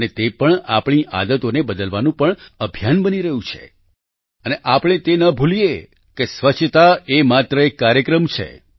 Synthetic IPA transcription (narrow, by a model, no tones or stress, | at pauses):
ənet̪epəɳapɳ̃iʔa̰d̪ət̪onebəd̪əlʋanũpəɳəbʱjanbəniɾəɦũt͡ʃʰḛ | əneʔapɽɳ̃et̪enəbʱulije | kesʋət͡ʃʰt̪aemat̪ɾəekːaɾjəkɾəmt͡ʃʰḛ